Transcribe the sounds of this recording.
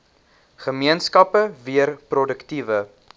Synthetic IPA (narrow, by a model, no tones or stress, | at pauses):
χəmiənskɐpəviərprɔdəktivə